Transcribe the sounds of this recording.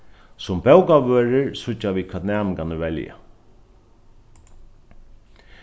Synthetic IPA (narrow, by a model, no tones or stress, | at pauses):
sʊmbɛwkaʋøːɾɪɹsʊt͡ʃːaʋiːkʰɛːt̪næːmɪŋkanəʋɛlja̰